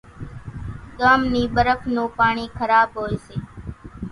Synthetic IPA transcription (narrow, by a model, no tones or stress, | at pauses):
ɠaːmniːɓəɾəfʰnõːpaːɳiːkʰəɾaːbɦoːeːseː